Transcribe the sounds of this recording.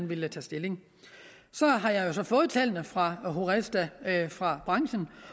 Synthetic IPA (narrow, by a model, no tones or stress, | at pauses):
nʋe̝lət͡sʰɛ̰ːsd̥e̝le̝ŋ | sɒ̽ɦɑ̈jɑ̈jo̝sɒ̽fɔ̽ːð̞̩ˠt͡sʰɛlnəfʁɑ̈ɦo̝ʁesd̥æfʁɑ̈b̥ʁɑ̈ŋɕən̩